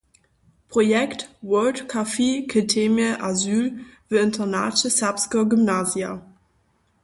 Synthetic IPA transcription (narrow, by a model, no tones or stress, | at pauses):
pʁ̥ojɛktwœltkʰafeːkʰətʰeməʔazyːlvəɪntʰɐna̰ːt͡ʃəsapskɐɡymnaːzja